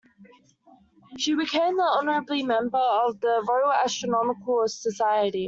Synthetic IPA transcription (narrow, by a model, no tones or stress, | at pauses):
ʃibɪkʰẽɪ̃mðiʌnəɹəblimɛ̃mbəəvðəvəʊæstɹ̥ənɒmɪkʰəlˠsəsaɪəɾi